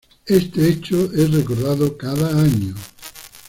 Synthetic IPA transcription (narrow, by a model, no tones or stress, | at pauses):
est̪eet͡ʃoerekoɾðaðokaðaaɲo